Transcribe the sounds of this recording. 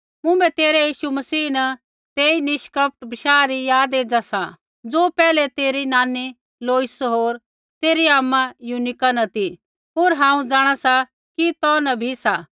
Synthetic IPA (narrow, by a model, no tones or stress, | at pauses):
mʊ̃bɛt̪eːɾɛjiːʃumɐsiːnɐ | t̪eːinɪʃkəp̚ʰʈbɪʃaːɾijaːd̪eːd͡ʒasa | d͡zoːpɛːlɛt̪eːɾinaːni | loːɪsɦoːɾ | t̪eːɾiaːmːãjunɪkanɐt̪i | ɦoːɾɦãːũd͡zaːɽ̃asa | kit̪ɔnɐbʱisa